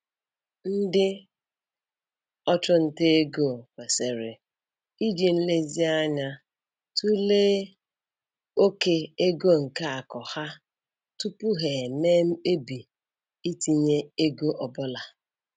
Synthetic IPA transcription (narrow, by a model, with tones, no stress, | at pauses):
n̩˦dɪ˦ | ɔ˦t͡ʃʊ˦n̩˨te˦ɡo˦˨kʷe˨se˨ɾe˨ | i˦d͡ʒi˨n̩˦le˦zi˦a˦ɲa˦ | tu˦le˦ | o˦ke˦e˦ɡo˦˨ŋ̩˨ka˦a˨kɔ˨ha˦ | tu˦pu˦ɦe˨me˦m̩˦e˦bi˨ | i˦ti˦ɲe˦e˦ɡo˦ʔɔ˨bʊ˦la˨